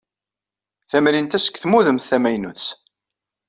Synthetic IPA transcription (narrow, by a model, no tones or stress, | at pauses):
θæmɾint̪æsə̥kθmuðəmθθæmæjnuθs